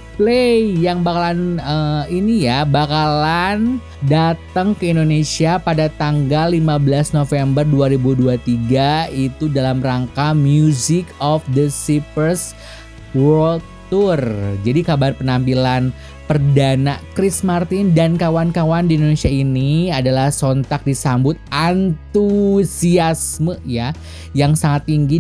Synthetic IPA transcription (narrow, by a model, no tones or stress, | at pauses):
plejjaŋbakalanəinijabakalan | dat̪əŋkəindonesiapadat̪aŋɡalːimabəlasnofɛmbərduaɾibuduat̪iɡait̪udalamraŋkamjuzɪkɔfd̪əsipərs | wɔɔl | t̪urd͡ʒadikabarpənampilan | pərdanakɾɪsmart̪ɪndankawankawandiindonesiainiadalahsɔnt̪ak̚disambʊt̪̚ant̪usiasməja | jaŋsaŋat̪ːiŋɡi